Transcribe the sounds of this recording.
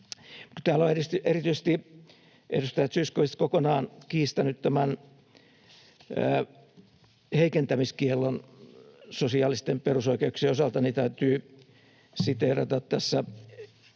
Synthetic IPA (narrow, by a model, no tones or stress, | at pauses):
mut̪æːloerist̪yʔerit̪yisest̪i | ʔḛrust̪ɑjæt̪syiskohist̪kokonɑːnkiːst̪ænyt̪t̪æmæn | æː | heikent̪æmiskielːon | sosiɑːlist̪emperusoikeukseːosɑlt̪ɑnit̪æyt̪yː | sit̪erɑt̪ɑt̪t̪æsːæ